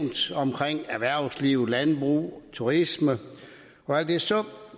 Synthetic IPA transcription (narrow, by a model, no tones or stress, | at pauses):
nd̥ɒ̽mkʰʁeŋ̰æʋæɐ̰sliʊlænb̥ʁṵːt͡sʰuʁismə | ɒ̽æl̰d̥esɒ